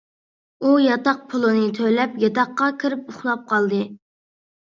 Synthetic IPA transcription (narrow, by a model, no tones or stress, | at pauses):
ujɑt̪ɑq̚pʰʊlˠɨnɨt̪ʰølɛpjɑt̪ɑqːɑkʲʰiɾɪp̚ʊχlˠɑp̚qʰɑlˠd̪ɨ